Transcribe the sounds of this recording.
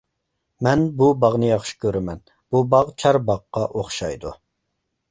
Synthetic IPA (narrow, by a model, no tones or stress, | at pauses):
mɛnbubɑʁnɨjɑχʃi̥kʲʰøɾɪmɛn | b̥ubɑʁt͡ʃʰɑɾbɑqːɑʔoχʃɑjd̪u